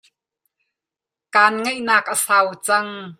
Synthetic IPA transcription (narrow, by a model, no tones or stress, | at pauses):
kaːnŋejʔnaːkʔəsaːwt͡sɐŋ